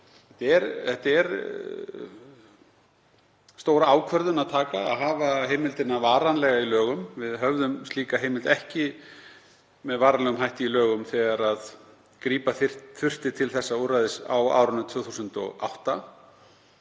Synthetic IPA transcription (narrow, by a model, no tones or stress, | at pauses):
θɛht̪ɛɾɛht̪ɛɾ | st̪oːwɾaaːwkʰvœɾðʏnaðt̪ʰaːka̰ːðɦaːvaheːjmɪlt̪ɪnːavaːɾanlɛɣailœːɣʏmvɪðɦœvðʏmst̪liːkaɦeːjmɪlt̪ɛhcɪ | mɛðvaːɾanɛɣʏmɦajht̪ɪilœːɣʏmθɛɣaɾað | kɾiːpaθɪ̥tθʏr̥t̪ɪt̪ʰɪlθɛsːaurajðɪsa̰wa̰ːwɾʏnʏt̪ʰvʏːθuːsʏnt̪ɔ̰ɣa̰wht̪a